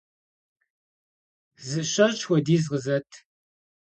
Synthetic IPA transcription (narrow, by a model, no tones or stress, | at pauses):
zɨɕɐɕʼxʷɔdiːzʁəzɐtʰ